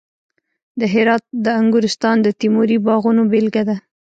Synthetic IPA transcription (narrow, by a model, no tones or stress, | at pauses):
d̪əɦɪɾɑt̪̚d̪əaŋɡʊɾɪst̪ɑnd̪ət̪imoɾibɑɣunobelɡad̪a